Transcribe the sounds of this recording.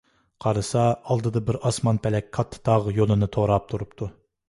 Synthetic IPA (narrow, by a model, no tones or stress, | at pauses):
qʰɑɾɨsɑɑlˠd̪ɨd̪ɑbɪɾɑsmɑnpʰɛlɛkʲkʰːɑt̪ʰːɨ̥t̪ʰɑʁjolˠɨnɨt̪ʰoɾɑp̚t̪ʰuɾupt̪ʰu